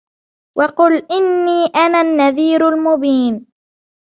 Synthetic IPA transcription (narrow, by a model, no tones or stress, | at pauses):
wʔɑqʊlʔɪnːiːʔanaːnːaðiːɾʊlmʊbiːn